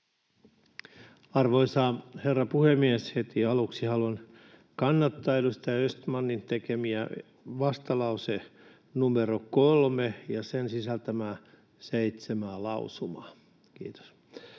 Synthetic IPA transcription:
ɑrʋoisɑːherːɑpuhemːiæshet̪iɑluksihɑlon | kɑnːɑt̪ːɑːelust̪ɑøst̪mɑnːint̪ekemiæ | ʋɑst̪ɑlɑuse | numeɾokolmejɑsensisælt̪æmæː | seit̪semæːlɑusumɑː | kḭːt̪o̥s

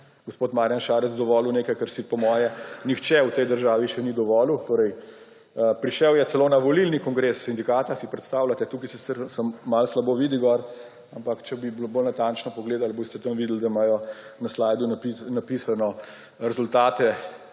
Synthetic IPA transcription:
ɡospoːt̪maːɾjanʃaːɾɛt̪zd̪ɔʋɔːluneːkajkəɾsipɔmɔːjɛnixt͡ʃɛwt̪ɛjd̪əɾʒaːʋiʃɛnid̪ɔʋɔːlut̪oːɾɛj | pɾiʃɛwjɛt̪sɛloːnaʋɔlilnikɔŋɡɾesːind̪ikaːt̪asipɾɛt̪st̪aːwlʲat̪ɛt̪uːkisɛt̪ɛɾsɐmmːalslaboːʋid̪iɡɔɾ | ampakt͡ʃɛbiblobolnat̪ant͡ʃnɔpɔɡleːd̪alboːst̪ɛt̪əmʋid̪ld̪aimajɔnaslaːjd̪unapinapiːsanɔ | ɾɛzult̪aːt̪ɛ

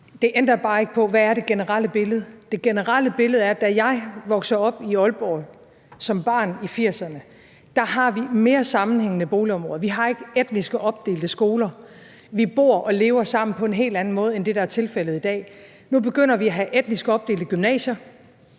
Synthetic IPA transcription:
d̥e̝ʔend̥ɐb̥ɑ̈ːe̝ɡ̥ə̥pʰɒ̽ʋæːɐɾe̝ɡ̥enəʁɑl̰əb̥e̝ləð̞̩ˠd̥e̝ɡ̥enəʁal̰əb̥e̝ləð̞̩ˠæɐd̥æjɑ̈ɪʋɒ̽ɡ̥sɐɒ̽b̥iɒ̽lb̥ɒ̰ | sɒ̽mb̥ɑ̰̈ːnifiɐ̰sɐnə | d̥ɑ̈ɦɑ̈ʋime̝ːɐsɑ̈mn̩heŋ̰ənəb̥o̝ːliɒ̽mʁɔ̽ːðˠʋiɦɑ̈e̝ɡ̥əed̥̚nisɡ̥əʔɒ̽b̥̚d̥e̝̰ːld̥əsɡ̥o̝ːlɐ | ʋib̥o̝̰ɐ̰ʔɒ̽le̝ːʊɐsɑ̈m̰n̩pʰɒ̽e̝nɦe̝̰ːld̥æn̩mɔ̽ːð̞̩ˠend̥e̝ɾɑ̈æɐt͡sʰe̝lfel̰ð̞̩ˠid̥ɛ̰ː | nub̥e̝ɡ̥øn̰ɐʋiæɦæʔed̥nisɡ̥ɒ̽b̥̚d̥e̝ːld̥əɡ̥ymnɛ̰ːɕɐ

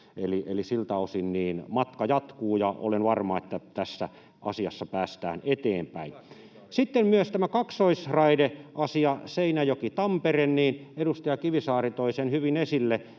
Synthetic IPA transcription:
eliʔelisilt̪æosinniːnmɑt̪kɑjɑt̪kuːjɑo̰lenʋɑrmɑet̪ːæt̪æsːæ | ʔɑ̰siɑ̰sːɑpæːst̪æ̰ːnet̪eːmpæin | sit̪ːemmyøst̪æmækɑksoisrɑideʔɑsiɑseinæjokit̪ɑmperenniːnedust̪ɑjɑkiʋisɑːrit̪oisenhyʋinesilːe

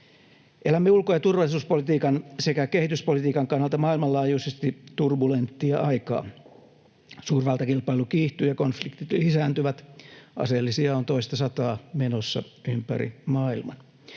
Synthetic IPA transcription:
ʔelæmːeulkojɑt̪urʋɑlːˑisuːspolit̪iːkɑnsekækehit̪yspolit̪iːkɑŋkɑnːɑlt̪ɑmɑːilmɑlɑːjuisest̪it̪urbulent̪ːiɑʔɑikɑ̰ː | suːrʋɑlt̪ɑkilpɑilukiːht̪yːjɑkonflikt̪it̪lisæːnt̪yʋæt̪ʔɑ̰selːisiɑont̪oist̪ɑsɑt̪ɑːmenosːɑ̰ympæ̰ɾḭmɑːilmɑ̰n

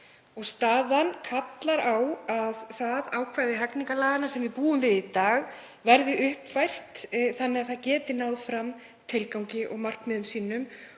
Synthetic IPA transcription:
ɔɣst̪aːðankʰat̪laɾawaðθaðaːwkʰvajðɪɦɛkniŋkalaːɣanasɛmvɪpuːʏmvɪðit̪aːɣ | vɛɾðɪʔʏhpfajr̥t̪θanːɪɣaθaðcɛːt̪ɪnaːwðfɾam | t̪ʰɪlkawɲcɪʔɔɣmar̥kmɪðʏmsiːnʏm

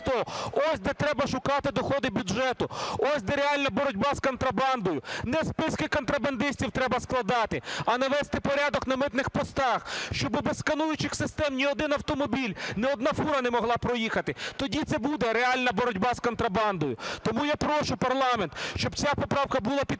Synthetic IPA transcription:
t̪ɔɔsʲd̪ɛt̪ɾɛbɐʃʊkɑt̪ɪd̪ɔxɔd̪ɪbʲud͡ʒɛt̪ʊɔsʲd̪ɛɾɛɑlʲnɐbɔɾɔdʲbɑskɔnt̪ɾɐbɑnd̪ɔjʊnɛspɪskɪkɔnt̪ɾɐbɐnd̪ɪsʲtʲiwt̪ɾɛbɐsklˠɐd̪ɑt̪ɪɐnɐʋɛst̪ɪpɔɾʲad̪ɔknɐmɪt̪nɪxpɔst̪ɑxʃt͡ʃɔbɪbɛsskɐnujʊt͡ʃɪxsɪst̪ɛmnʲiɔd̪ɪnɐwt̪ɔmɔbʲilʲnɛɔd̪nɑfuɾɐnɛmɔɦlˠɑpɾɔjixɐt̪ɪt̪ɔdʲit̪sɛbud̪ɛɾeɑlʲnɐbɔɾɔdʲbɑskɔnt̪ɾɐbɑnd̪ɔjʊt̪ɔmujapɾɔʃʊpɐrlˠɑmɛnt̪ʃt͡ʃɔbt͡sʲapɔpɾɑwkɐbulˠapʲi

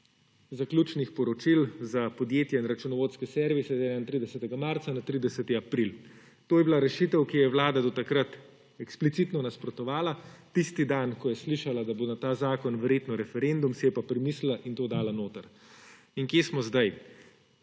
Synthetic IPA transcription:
zaklʲuːt͡ʃnixpɔɾɔt͡ʃilzapɔd̪jeːt̪jɛinɾat͡ʃunɔʋoːt̪skɛsɛːɾʋisɛzɛːnaint̪ɾid̪ɛsɛt̪ɛɡamaɾt̪sanat̪ɾiːd̪ɛsɛt̪iapɾil | t̪oːjɛbilaɾɛʃit̪ɛwkijɛʋlaːd̪ad̪ɔt̪akɾat̪ | ɛksplit̪it̪nɔnaspɾɔt̪ɔʋaːlat̪ist̪id̪ankɔjɛsliʃalad̪abonat̪aːzaːkɔnʋɛɾjeːt̪nɔɾɛfɛɾend̪umsɛjɛpapɾimislaʔint̪oːd̪aːlanoːt̪əɾ | iŋkjesmɔzd̪aj

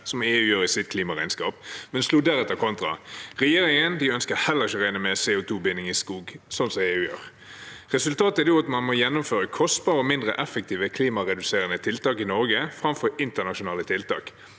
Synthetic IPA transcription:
sɔmeːʉːjøːʁɪsɪt̪̚kʰliːmɑʁæɪnskɑ̰ːp̚mɛnsluːd̪æɾɛt̪ːəʁkʰɔnt̪ʁɑ̰ʁɛjeːɾɪŋənd̪ɪœnskəhɛlːəʁɪçəʁæɪnəmɛsɛʊt̪ʰuːbɪnɪŋɪskuːɡsɔnsɔmeːʉːjø̰ːʁ | ʁɛsʉlt̪ʰɑːt̪əædjʊɑt̪mɑnmɔjɛnːʊmføːʁəkʰɔst̪bɑːʁəɔmɪnd̪ʁəʔɛfək̚t̪ʰiːʋəkʰliːmɑʁɛd̪ʉseːʁənət̪ʰɪlt̪ɑːkɪnɔɾɡəfɾɑmfɔɾɪnt̪əʁnɑʃʊnɑːlət̪ʰɪlt̪ɑ̰ːk

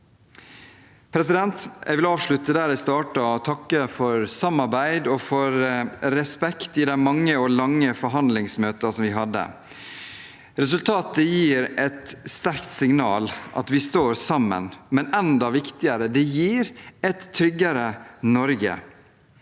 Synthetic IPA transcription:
pʰɾɛsɪd̪ɛnt̪ɛ̰ɡʋɪlɑːʋʂɭʉt̪əd̪æːɾæɪst̪ɑːʈɑɔt̪ʰɑkːəfɔɾsɑmːɑɾbæɪd̪ɔfɔɾɾɛspɛkt̪ɪd̪æmɑŋːəɔlɑŋːəfɔɾɦɑnd̪lɪŋsmøːt̪ɑsɔmʋɪɦɑd̪ːə̰ | ɾɛs̬ʉlt̪ʰɑːt̪əjiːɾɛt̪st̪æɾkt̪sɪŋnɑːlʔɑ̰t̪ʋɪst̪oːɾsɑmːə̰nmɛnɛnd̪ɑʋɪkt̪ɪəɾəd̪ɛjiːɾɛt̪ʰːɾʏɡːəɾənɔɾɡə̰

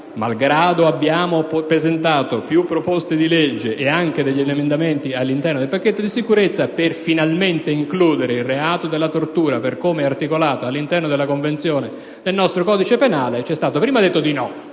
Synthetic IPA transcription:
malɡɾaːd̪oabːjaːmopɾezent̪aːt̪opjupːɾopost̪ed̪iled͡ʒːeʔːaŋk̟ed̪eʎːeʎːemend̪ament̪ialːint̪ɛrnod̪elpakːet̪ːod̪isikuɾet̪sːaperfinalment̪eiŋkluːd̪eɾeilreaːt̪od̪elːat̪ort̪uːɾaperkomeart̪ikolaːt̪oalːint̪ɛrnod̪elːakoɱvent̪sjoːne | d̪elnɔst̪ɾokɔːd̪it͡ʃepenaːlet͡ʃɛst̪aːt̪opɾiːmad̪et̪ːod̪inɔ

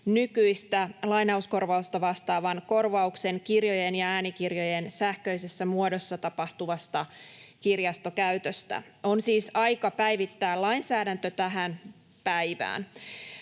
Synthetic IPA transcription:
nykyist̪ælɑinɑusko̞rʋɑust̪ɑʋɑst̪ɑːʋɑnko̞rʋɑukse̞nkirjo̞jenjɑæːnikirjojensæhkø̞isesːæmuodo̞sːɑt̪ɑpɑht̪uʋɑst̪ɑkirjɑst̪okæyt̪øst̪æ̰o̞nsiːsɑjkɑpæjʋit̪ːæːlɑinsæːdænt̪øt̪æɦæn | pæjʋæ̰ːn

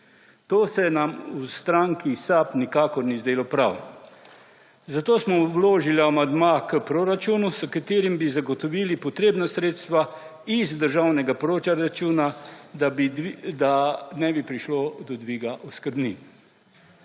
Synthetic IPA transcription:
t̪oːsɛnamust̪ɾaŋkisapnikaːkɔɾnizd̪eːlɔpɾawn | zat̪oːsmɔwloːʒiliamand̪makəpɾoɾat͡ʃuːnusəkat̪eːɾimbizaɡɔt̪ɔʋiːlipɔt̪ɾeːbnasɾeːt̪st̪ʋa | izd̪əɾʒawnɛɡapɾoːt͡ʃaɾat͡ʃuːnad̪abd̪anɛbipɾiʃlod̪ɔd̪ʋiːɡaʔɔskəɾbnin

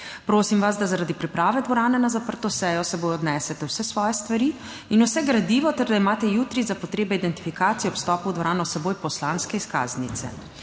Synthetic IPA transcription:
pɾoːsimʋas̬d̪azaɾad̪ipɾipɾaːʋɛd̪ʋɔɾaːnɛnazapəɾt̪ɔsɛjɔsɛboːjɔd̪nɛsɛt̪ɛwsɛsʋɔːjɛst̪ʋaɾi | inusɛɡɾad̪iːʋɔt̪ɛɾd̪aimaːt̪ɛjuːt̪ɾizapɔt̪ɾeːbɛid̪ɛnt̪ifikaːt̪sijɛɔpst̪ɔːpuwd̪ʋɔɾaːnɔwsɛboːjpɔslaːnskɛiska̰ːznit̪sɛ̰

